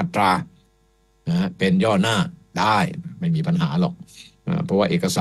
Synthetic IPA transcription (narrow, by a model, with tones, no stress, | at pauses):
a˥˧˩t̪ɾaː˧ | na˧˥pe˧njɔː˥˩naː˥˩daː˥˩jma˥˩jmiː˧pa˧nɦaː˩˦lɔ̰˨˩k̚ʔa̰ː˧˩pʰɾɔ˦˥waː˥˩ʔeː˨˩kːa˧saː˨